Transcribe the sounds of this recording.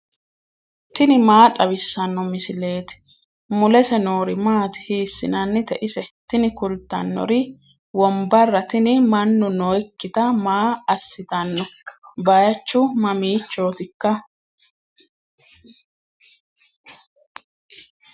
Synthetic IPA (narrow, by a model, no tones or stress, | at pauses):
t̪ɪnɪmaːt̪ʼɐβɪsːɐnːɔmɪsɪle̞ːt̪ɪ̥ | mʊlɛsɛnoːɾɪmaːt̪ɪ̥hiːsːɪ̰nɐnːɪt̪ɛʔɪsɛt̪ɪnɪkʊlt̪ːɐ̰nːɔ̰ɾɪ | wɔmbɐrːɐt̪ɪnɪmɐnːʊnɔjkːɪt̪ɐmaːɐsːɪt̪ɐnːɔbɐjɐt͡ʃːʊmɐmiːt͡ʃːo̞ːt̪ɪkːɐ